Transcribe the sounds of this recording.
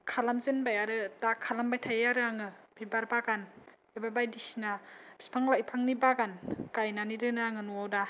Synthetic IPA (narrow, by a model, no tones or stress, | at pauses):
kʰalamzɯnbajaɾɯtakʰalambajtʰajaɾɯaŋɯbibaɾbaɡan | ebabajdisinab̥i̥spʰaŋlajpʰaŋnibaɡankajnaniɾɯnaaŋɯnuwawda